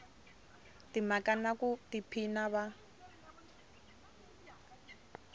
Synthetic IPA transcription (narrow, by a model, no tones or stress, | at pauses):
timakanakutipʰinaβa